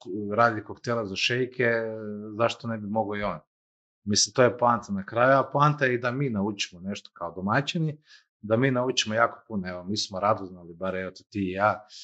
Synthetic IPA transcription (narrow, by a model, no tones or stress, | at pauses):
ɾaːd̪lʲikokt̪elazaʃejkʰezaʃt̪onebimo̞ɡoio̞ːn | mislimt̪ojeplˠant̪anakɾajuaplˠaːnt̪aid̪amiːnaut͡ʃi̥mone̞ʃt̪o̥kaod̪omat͡ʃini | d̪amiːnaut͡ʃimojaːkopunoeʋomiːsmoɾad̪oznalibaɾeet̪ot̪iːjaː